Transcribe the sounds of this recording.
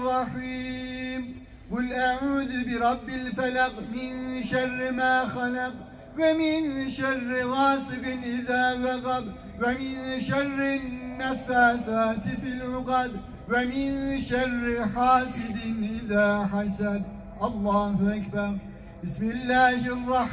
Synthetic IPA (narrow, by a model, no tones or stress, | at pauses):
rˤːɑħiːm | wɪlʔaʕuːd̪bɪɾˤɑbːɪlfalɑqmɪnʃɑrˤːmaːxalɑq | wɪmɪnʃɑrˤːɣɑːsɨqɪnʔɪðaːðɑɣɑb | wɪmɪnʃɑrˤːɪnːafaːθaːt̪fɪlʕʊqɑd̪ | wɪmɪnʃɑrˤːħaːsɪd̪ɪnʔɪðaːħasad̪̚ | ʔɑlˤːɑːhʊʔakbɑɾˤ | bɪsmɪlːaːhɑrˤːɑħ